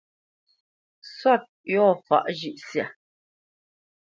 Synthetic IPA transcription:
swa˦˨t̚jɔ˦˨fa̰˦˨ʔʒi˦˨ʔsja˨

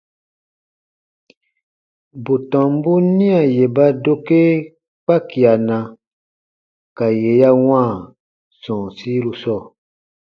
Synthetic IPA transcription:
bu˨tɔ̃˨m˦bu˦nĩ˦a˨je˨ba˦do˦ke˦ | k͡pa˦ki˨a˨nã˧ | ka˨je˨ja˦w̃ãː˦˨ | sɔ̃ː˨si˦lu˧sɔ˦˨

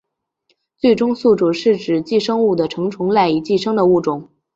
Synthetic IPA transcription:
t͡swe˥˩ɪʈ͡ʂʊ˥ŋsu˥˩ʈ͡ʂu˨˩ʂɻ̩˥˩ʈ͡ʂɻ̩˨˩t͡ɕi˥˩ʂɤ˥ŋu˥˩d̪ə˩ʈ͡ʂʰɤ˧˥ŋʈ͡ʂʰʊ˧˥ŋla˥˩ɪi˨˩t͡ɕi˥˧ʂɤ˥ŋd̪ə˨u˥˩ʈ͡ʂʊ˨˩˦ŋ

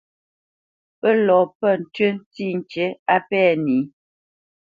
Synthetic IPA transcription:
pə˦lɔ˨pə˦˨n̩˨tɥə˦n˦ti˦˨n˨t͡ʃe˨˦a˦pɛː˦˨ni˨˦

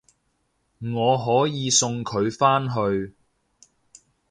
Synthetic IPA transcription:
ŋɔː˨˧ɦɔː˨˥jiː˨˧sʊ˧ŋkʰɵ˨˧ɥfaː˥nɦɵ˧ɥ

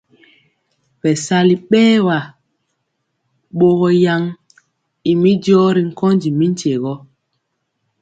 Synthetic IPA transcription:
ɓɛ˨sa˦li˨ɓɛː˦wa˨ | ɓo˦ɣɔ˨ja˦ŋ | i˨mi˦dɔː˦ɾi˨ŋ̩˦kɔ˦nd͡ʒi˨mi˦n̩˦te˨ɣɔ˦

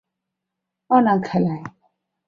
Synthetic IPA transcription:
ɔ˦na˨ŋ˨kʰɛ˨la˨

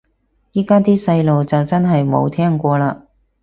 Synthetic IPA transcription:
jiː˥kaː˥t̪iː˥sɐ˧jlo˨wt͡sɐ˨wt͡sɐ˥nɦɐ˨jmo̰˨˧wt̪ʰɛː˥ŋkʷɔː˧laː˧

